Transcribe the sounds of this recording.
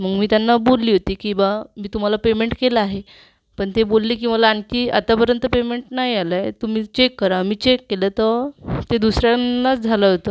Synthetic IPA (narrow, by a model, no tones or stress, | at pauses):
məɡmiːt̪janːabolːiːɦot̪iːkĩw̃ʋamiːt̪um̤alapemeɳʈkelaaːɦe | pəɳt̪ebolːiːk̬iːməlaːŋkiːa̰t̪apəɾjənt̪əpemeɳʈnajaləjt̪um̤iːt͡ɕekːəɾamiːt͡ɕekːelət̪ət̪ed̪usɾjanːat͡sd͡zʱaləɦot̪ə